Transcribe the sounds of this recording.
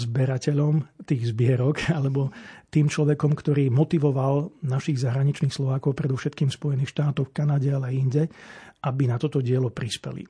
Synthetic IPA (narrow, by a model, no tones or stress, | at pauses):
zbɛɾacɛʎɔmt̪iːɣzbɪɛɾɔkalɛbɔt̪iːmt͡ʃlɔʋɛkɔmkt̪ɔɾiːmɔt̪iʋɔʋalnaʃiɣzaɦɾaɲit͡ʃniːxslɔʋaːkɔʊpɾɛd̪ɔʊʃɛt̪kiːmfspɔjɛniːxʃt̪aːt̪ɔʊfkanaɟɛalɛiɲɟɛʔabinat̪ɔt̪ɔɟɪɛlɔpɾispɛ̰lḭ